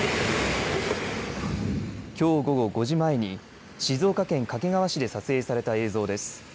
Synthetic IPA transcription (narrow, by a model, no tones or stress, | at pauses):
kʲo̞ːɡo̞ɡo̞ɡo̞ʑimae̞ɲ̟i | ɕizo̞ːkakẽ̞ŋkake̞ɡaβaɕid̪e̞sat͡sɨe̞ːsaɾe̞t̪ae̞ːzo̞ːd̪e̞sɨ̥